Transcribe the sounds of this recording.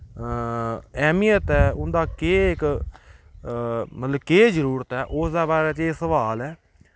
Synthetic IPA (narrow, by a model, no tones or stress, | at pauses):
ɛːmijət̪ɛːʊnd̪aːkeːɪk | mət̪ləb̚keːd͡ʒəɾuːɾət̪ɛːʔʊsd̪aːbaːɾɛːt͡ʃeːsəʋaːlɛː